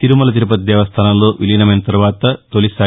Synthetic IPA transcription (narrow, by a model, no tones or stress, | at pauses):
t̪iɾumɐlɐt̪iɾupɐt̪d̪eːʋɐst̪ʰaːnɐluʋilinɐment̪ɐɾʋaːt̪ɐt̪olisaː